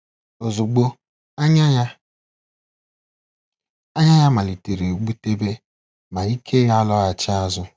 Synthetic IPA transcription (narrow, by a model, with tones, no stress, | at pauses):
o˨zu˨ɡ͡bo˦ | ɲa˦ | a˦ɲa˦ɲa˦ma˨li˨te˨ɾe˨ɡ͡bu˦te˦be˦ | ma˨i˦kʰe˦ja˦lɔ˦a˨t͡ʃɪ˦a˦zʊ˦